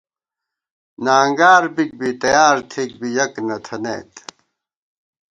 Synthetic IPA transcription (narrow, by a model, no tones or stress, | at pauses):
naːŋɡaːɾbik̚bit̪ɐjaːɾt̪ʰek̚bijɐknɐt̪ʰɐnḛːt̪